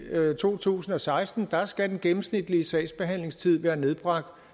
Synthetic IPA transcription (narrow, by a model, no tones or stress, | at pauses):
t͡sʰo̝̰ːt͡sʰṵːsn̩ɒ̽sɑ̈ɪsd̥n̩d̥ɑ̈sɡ̥æd̥enɡ̥em̩snid̥liəsɛ̰ɪsb̥e̝ɦæn̰le̝ŋst͡sʰið̞̰ˠʋæːɐne̝ð̞ˠb̥ʁɑ̈ɡ̥̚d̥